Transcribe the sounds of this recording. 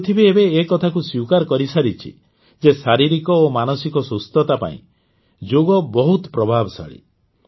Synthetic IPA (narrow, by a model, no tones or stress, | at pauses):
t̪ʰibiebeːkɔt̪ʰakuswiwkaɾɔkɔɾisaɾit͡ʃʰḭ | d͡ʒesaɾiɾikɔomanɔsikɔsust̪ɔt̪apa̰ḭ̃ | d͡ʒoɡɔbɔɦut̪pɾɔbʱabɔsa̰ɭḭ